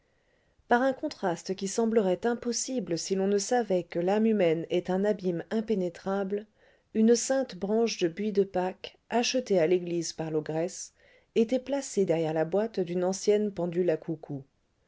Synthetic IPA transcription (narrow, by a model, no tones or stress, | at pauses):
paʁɛ̃kɔ̃t̪χast̪əkʲisɑ̃bləʁɛt̪ɛ̃pɔsibləsilɔ̃nəsavɛkəlamymɛnɛt̪ɛ̃nabimɛ̃penet̪χabl | ynsɛ̃t̪bʁɑ̃ʃd̪əbɥid̪əpak | aʃət̪ealeɡlizpaʁloɡʁɛs | et̪ɛplased̪ɛʁjɛʁlabwat̪d̪ynɑ̃sjɛnpɑ̃d̪ylakʰukʰu